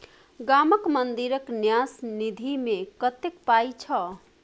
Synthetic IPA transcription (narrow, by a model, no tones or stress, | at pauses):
ɡaməkmənd̪iɾəknjasnid̪ʱimekət̪ekpajt͡ʃʰə